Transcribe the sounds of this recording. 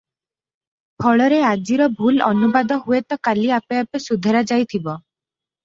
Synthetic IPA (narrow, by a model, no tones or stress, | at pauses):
pʰɔɭɔɾead͡ʒiɾɔbʱulɔ̰nubad̪ɔɦuet̪ɔkaliapeapesud̪ʱeɾad͡ʒajt̪ʰibɔ